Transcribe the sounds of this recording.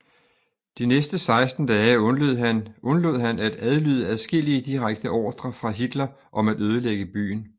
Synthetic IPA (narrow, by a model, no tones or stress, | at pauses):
d̥inesd̥əsɑ̈ɪsd̥n̩d̥ɛːɔ | ɔ̽nlo̝ð̰ˠɦænæd̥æð̞ˠlyð̞̰ˠəæðˠsɡ̥e̝l̰iəd̥iʁaɡ̥d̥əʔɒ̰ːd̥ʁɐfʁɑ̈ɦid̥lɐ | ʔɒ̽mæd̥øːð̞ˠəleɡ̥əb̥y̰ːn